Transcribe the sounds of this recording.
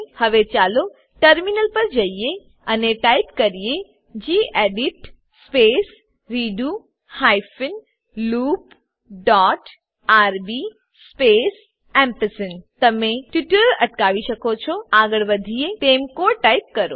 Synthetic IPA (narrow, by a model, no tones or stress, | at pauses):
hɐʋet͡ʃaːlo | ʈəɾminəlpɐɾd͡ʒɐije | ɐneʈaːɪpkɐɾije | d͡ʒiːʔeːɖɪʈ | speːs | ɾiːɖu | haːjfɪn | luːp | ɖaːʈ | aːɾbi | speːs | ɛ̃mpəsənt̪ɐmẽʈjuʈəɾlɐʈkaːʋiʃɐkot͡ʃʰoaːɡəɭʋəd̪ʱijet̪eːmkoʈaːip̚kɐɾo̰ː